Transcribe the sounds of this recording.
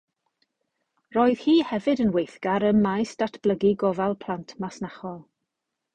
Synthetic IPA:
rɔːɨð̥hiːhɛvɨdənwejθɡ̥aɾəmmːajsd̥atʰb̥lˠəɡiɡɔvalˠpʰl̥antʰmasnaχɔlˠ

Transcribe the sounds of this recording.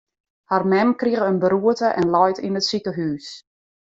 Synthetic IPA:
harmɛmkriəɣəənbəɾuətəʔɛnlɔjtinətsikəɦyːs

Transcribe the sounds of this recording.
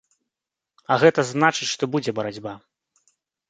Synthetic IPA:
ɐɣɛt̪ɐznat͡ʂɨt͡sʲʂt̪ɔbud͡zʲɛbɐɾad͡zʲba

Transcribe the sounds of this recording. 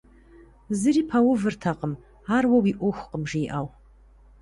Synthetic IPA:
zɨriːpʰawʊvɨrtʰaqʼəm | arwawiʔʷʊxʷqʼəmʐijʔaw

